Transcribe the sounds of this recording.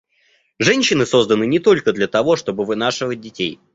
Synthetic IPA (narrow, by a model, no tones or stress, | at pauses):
ʐɛnʲɕːɪnɨso̞zd̪ənɨnʲɪt̪o̞lʲkəd̪lʲɐt̪ɐvo̞ʂt̪o̞bɨvɨnaʂɨvət̚ʲdʲɪtʲej